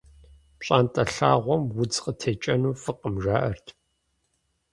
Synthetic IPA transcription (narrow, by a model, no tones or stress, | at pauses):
pɕʼaːntʼɐɬaːʁʷɔmwʊd͡zqətʰeːt͡ʃʼɐnuːfɨqəmʒaːʔɐrtʰ